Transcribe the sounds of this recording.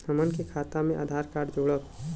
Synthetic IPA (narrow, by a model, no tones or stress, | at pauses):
əmənkikʰaːt̪amẽʔaːd̪ʱaːɾkaːɖd͡ʒoːɽə